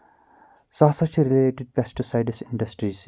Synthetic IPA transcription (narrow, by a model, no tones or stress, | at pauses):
saːsɐt͡ʃɾileːʈɪɖ̚pɛsʈisaɪɖɪsɪ̃ɳɖɐsʈɾiːz